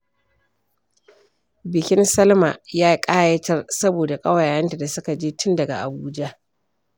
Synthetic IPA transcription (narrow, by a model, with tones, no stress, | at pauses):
bɪ˨kʲɪ˦nsɐ˦lma̰˨jaː˦kʼaː˦jɐ˦tɐ˦rsɐ˦boː˨da˨kʼɐ˦wa˨jaː˨jɐ˦nta˨da˨sʊ˦ka˨d͡ʒeː˦tʰʊ˦ndɐ˨ɡa̰˨ʔa˨buː˦d͡ʒa˦ʔ